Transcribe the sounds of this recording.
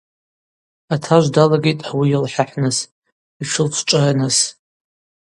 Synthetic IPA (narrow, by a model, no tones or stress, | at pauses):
atʰaʒʷdalaɡʲe̞jtʼħwijɪlħaħnɨs | iʃʰʊlt͡ʃʷʰʈ͡ʂʷʼaranɨs